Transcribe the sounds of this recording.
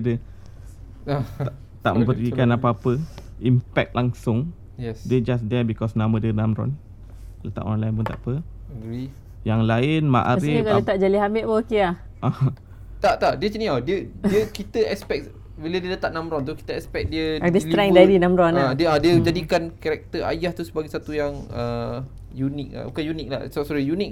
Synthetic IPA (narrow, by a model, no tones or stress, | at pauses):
də | a | t̪a̰ʔmə̃mbəikanapaapəimpɛk̚t̪laŋsʊŋ | jɛsdəd͡ʒas̬dɛbikɔsnãmədənamɾɔ̰n | kalət̪a̰ʔɔ̰nlaɪnpunt̪a̰ʔpə | ɡɾi | jaŋlaɪnma̰ʔasɾɪkalət̪aʔ̚d͡ʒaliɦamɪʔwɔkiah | ʔa | t̪aʔt̪aʔdiət͡ʃənĩadiəiəkit̪əɛspɛk̚ | welədiələt̪aʔnãmɾɔnt̪̬uki̥t̪əɛkspɛk̚diəadisliɾaŋdadinãmɾɔnãdiəãdiəd͡ʒadikankaɾɛk̚t̪əa̰jaht̪usəbaɡajsat̪ujaŋə | junɪk̚a̰ukajunɪk̚la̰hsasuɾəjunɪk̚